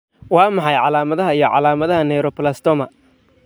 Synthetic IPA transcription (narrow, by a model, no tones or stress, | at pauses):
wɑːmɑħɑjʕɑlaːmɐðɐɦɐijɞʕɑ̰laːmɐðɐɦɐnɛjɾɔplast̪ɔːmɐ